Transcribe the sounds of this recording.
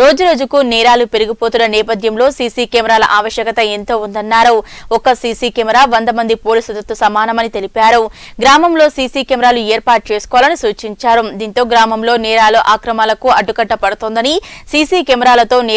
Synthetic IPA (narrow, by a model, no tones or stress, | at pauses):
ɾo̞ːd͡ʒuɾo̞ːd͡ʒukunɛːɾaːlupe̞ɾuɡipo̞ːt̪unːɐnɛːpɐd̪ʱjɐmlo̞ːsiːsiːkɛːmɛɾaːlɐ̰ʔaːʋɐʃjɐkɐt̪ɐent̪o̞ːund̪ɐnːaːɾɐ | ɔkɐsiːsiːkɛmɛɾaːʋɐnd̪ɐmɐnd̪ipoːliːsud̪ɐt̪ːusɐmaːnɐmɐnit̪elipaːɾu | ɡɾaːmɐmlo̞ːsiːsiːkɛmɛɾaːlueːɾpaːʈ̚t͡ʃe̞ːsu̥kɔʋalɐnisuːt͡ʃiɲt͡ʃaːɾumd̪iːnt̪o̞ːɡɾaːmɐmlo̞ːnɛːɾaːloʔaːkɾɐmaːlɐkuɐɖːukɐʈːɐpɐɽut̪oːnd̪ɐnisiːsiːkɛmɛɾaːlɐt̪o̞ːn